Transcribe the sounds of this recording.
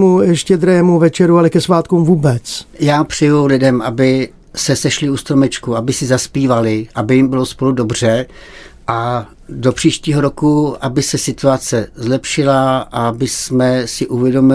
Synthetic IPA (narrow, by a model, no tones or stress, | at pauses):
mujɛʃcɛd̪ɾɛmuvɛt͡ʃɛɾualɛkɛsvaːt̪kumvuːbɛt͡sjaːpr̥ɛjulɪdɛmʔa̰bɪ | sɛsɛʃlɪust̪ɾomɛt͡ʃkuabɪsɪzaspiːvalɪʔabɪjɪmbɪlospo̞ludo̞br̝̥ɛ | ʔa | do̞pr̝̥iːʃciːɦo̞ɾokuabɪsɛsɪt̪uat͡sɛzlɛpʃɪlaʔabɪsmɛsɪʔuvjɛdo̞mɪ